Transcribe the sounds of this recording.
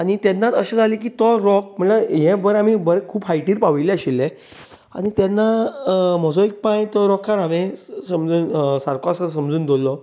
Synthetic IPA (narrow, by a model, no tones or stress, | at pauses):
añit̪ɛnːat̪əɕed͡zʱalik̬iːt̪ɔɾɔk̚m̤əɳaɦɛ̃bəɾam̤ibəɾekʰuːbɦajʈiːɾpaʋilɛəɕilːe | a̰ñit̪ɛnːamɔd͡zɔik̚pãjt̪ɔɾɔkʰːaɾɦamẽsəmd͡zuːnsaɾkoasəsəmd͡zuːnd̪olːɔ